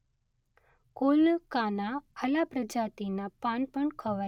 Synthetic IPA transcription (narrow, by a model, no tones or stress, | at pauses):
koːləkaːnaəlapɾəd͡ʒaːt̪inapanpəɳkʰəʋa